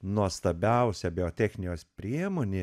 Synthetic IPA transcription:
nuɔst̪ɐbʲɛʊsʲɛbʲɪoːt̪ʲɛxʲnʲɪjoːspʲɾʲiɛmoːnʲeː

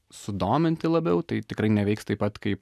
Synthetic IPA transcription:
sʊd̪oːmʲɪnʲt̪ʲɪlˠɐbʲɛʊt̪ɐɪt̪ʲɪkɾɐɪnʲɛʋʲɛɪkst̪ɐɪpːɐt̪kɐɪp

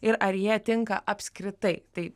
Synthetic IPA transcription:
ɪɾʔɐɾjiɛt̪ʲɪŋkɐʔɐpʲsʲkɾʲɪt̪ɐɪt̪ɐɪ

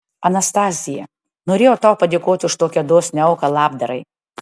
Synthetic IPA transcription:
ɐnɐst̪ɑːzʲɪjɛ | noːɾʲeːjoːt̪ɑʊpɐd̪ʲeːkoːt̪ʲʊʃt̪oːkʲiɐd̪oːsʲnʲɛɐʊkɐlˠɑːbd̪ɐɾɐɪ

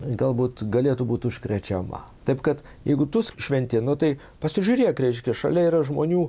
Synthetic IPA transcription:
ɡɐlˠbuːt̪ɡɐlʲeːt̪ubuːt̪ʊʃʲkɾʲɛt͡ʃʲɛmɐ̰t̪ɐɪpkɐt̪ | jɛ̰ɪɡʊt̪ʊsʃʲʋʲɛnʲt̪ʲeːnʊt̪ɐɪ | pɐsʲɪʒʲʊɾʲeːjkɾʲɛɪʃʲkʲɛʃɐ̰lʲɛiːɾɐʒmoːnʲuː

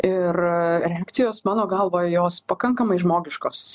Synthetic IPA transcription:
ɪrɾʲɛaːkt̪sʲɪjoːsmɑːnoːɡɐlˠʋoːjɛjoːspɐkɐŋkɐmɐɪʒmoːɡʲɪʃkoːs

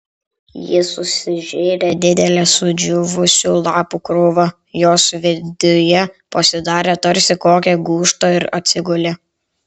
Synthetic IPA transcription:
jɪsʊsʲɪʒʲeːɾʲed̪ʲɪd̪ʲɛlʲeːsʊd͡ʒʲʊʋʊsʲuːlˠɑːpukɾʊʋɐ | joːsʋʲɪd̪ʲʊjɛpɐsʲɪd̪ɑːɾʲeːt̪ɐɾʲˑsʲɪkoːkʲɛɡuːʃt̪oɪɾɐ̰t̪ʲsʲɪɡʊlʲɛ

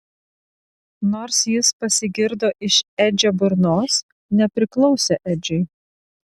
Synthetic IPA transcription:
noːɾsjɪspɐsʲɪɡʲɪɾd̪oːʔɪʃɛd͡ʒʲobʊɾnoːs | nʲɛpʲɾʲɪklˠɒʊsʲeʔɛd͡ʒʲɛɪ

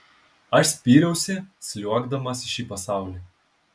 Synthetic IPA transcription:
ɐʃsʲpʲiːɾʲɛʊsʲɪsʲlʲuɔɡd̪ɐmɐsʲɪʃʲiːpɐsɑˑʊlʲiː

